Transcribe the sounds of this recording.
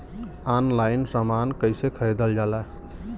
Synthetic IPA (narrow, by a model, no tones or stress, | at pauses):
anlajnsəmankəjsekʰəɾed̪əld͡ʒala